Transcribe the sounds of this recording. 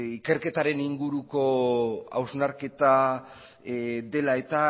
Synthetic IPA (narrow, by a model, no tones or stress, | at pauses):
ike̞ɾke̞t̪aɾe̞niŋɡuɾuko̞a̰wznaɾke̞t̪a | ðe̞lae̞t̪a